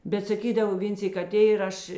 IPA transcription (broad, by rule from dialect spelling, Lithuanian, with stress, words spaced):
bʲɛt sɐˈkʲiːdɐw ˈʋʲeːn ˈsʲiːk ɐˈtʲeː ɪr ˈɐʃ